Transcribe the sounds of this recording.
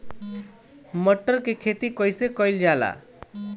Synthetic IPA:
mʌʈːʌrkekʰet̪ikʌjsekʌjld͡ʒala̰

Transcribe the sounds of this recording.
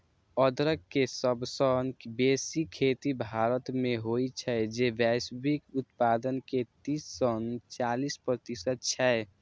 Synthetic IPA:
əd̪ɾəkːesəbsənbesikʰːet̪ibʱaɾət̪meɦojt͡ʃʰɛd͡ʒebɛsbikut̪pad̪ənket̪isːənt͡ʃalispɾət̪isət̪̚t͡ʃʰɛe

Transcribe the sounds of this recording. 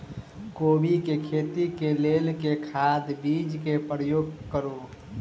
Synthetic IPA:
kobikekʰeːt̪ikelelkekʰad̪bid͡ʒkepɾəjoːɡkəɾu

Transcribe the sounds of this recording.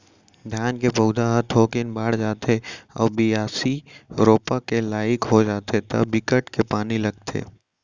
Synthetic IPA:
d̪ʱjaːnkepəːd̪ʱaɦət̪ɦokɪnbaːɽd͡ʒaːt̪eɔ̰ːbijaːsiɾoːpakelaːɪkɦod͡ʒaːt̪et̪ɐ̰bɪkəʈkepaːnilɐɡ̚t̪ʰḛː

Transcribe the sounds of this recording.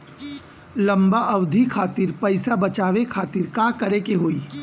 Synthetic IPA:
lɐ̃mbaʔɐʋd̪ʱikʰaːt̪iːɾpɐɪsabɐt͡ʃaːʋekʰaːt̪iːɾkãːkɐɾekeɦoːiː

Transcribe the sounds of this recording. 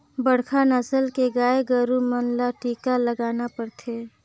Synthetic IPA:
bəɽ̤kʰanəsəlkeɡaːeɡəɾumənlaʈiːkaləɡaːnapəɽt̪ʰeː

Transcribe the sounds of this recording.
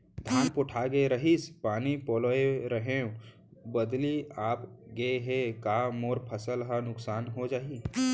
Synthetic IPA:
d̪ʱaːnpʊʈʰaɡeɾəɦispaːnipoːloeɾəɦẽũ | bəd̪liaːpɡeɦekamoːɾpʰəsəlɦənʊksaːnɦod͡ʒaːi

